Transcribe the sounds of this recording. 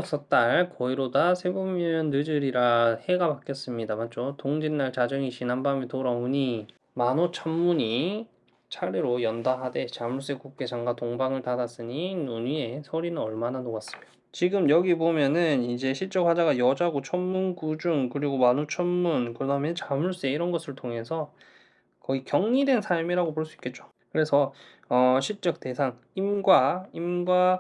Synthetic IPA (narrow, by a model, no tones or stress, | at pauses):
s͈ʌt͈aɭkʌiɾodasʰe̞bomʌnːɯd͡ʑɯɾiɾahe̞ɡapak͈jʌs͈ɯmɲidamat͡ɕ͈otoŋd͡ʑinːaɭt͡ɕad͡ʑʌŋit͡ɕinanbamitoɾaoɲi | manot͡ɕʰʌmːuɲi | t͡ɕʰaɾiɾojʌndaɦade̞t͡ɕamuɭs͈ek͈uk͈e̞t͡ɕaŋɡatoŋbaŋɯɭtadas͈ɯɲinuɲie̞sʰʌɾinɯnʌɭmananoɡas͈ɯ̥mid̥a | t͡ɕiɡɯmjʌɡibomjʌnɯnid͡ʑe̞ɕʰiɭt͡ɕ͈ʌk̚hwad͡ʑaɡajʌd͡ʑaɡot͡ɕʰʌmmunkud͡ʑuŋkɯɾiɡomanut͡ɕʰʌnmunkɯdaɦmjʌnt͡ɕamuɭs͈e̞iɾʌnɡʌsʰɯɭtʰoŋe̞sʰʌ | kʌɡikjʌŋɲide̞nsʰaɭmiɾaɡopoɭs͈uik͈e̞t̚t͡ɕ͈o̥ | kɯɾe̞sʰʌ | ʌɕʰiɭt͡ɕ͈ʌk̚te̞sʰaŋ | imɡwaimɡwa